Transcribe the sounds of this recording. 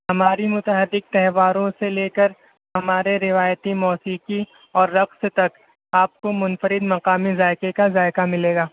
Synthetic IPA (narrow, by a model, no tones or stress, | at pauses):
hɐmaːɾimʊt̪əɦəd̪ːɪk̚t̪ɛɦʋaːɾõseleːkəɾ | ɦɐmaːɾeɾɪʋaːjt̪imɔːsiːqi | ɔːɾːɐqst̪ɐk | aːp̚komʊnfəɾɪd̪mɐqaːmizaːɪkekazaːɪkamɪleːɡaː